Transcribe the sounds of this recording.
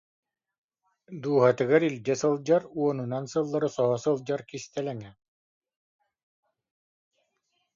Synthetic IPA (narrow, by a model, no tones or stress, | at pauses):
d̪uːɦat̪ɯɡaɾilʲdɛsɯlˠd͡ʑaɾuɔnɯnansɯlˠːaɾɯsɔɦɔsɯlˠd͡ʑaɾkist̪ɛlɛŋɛ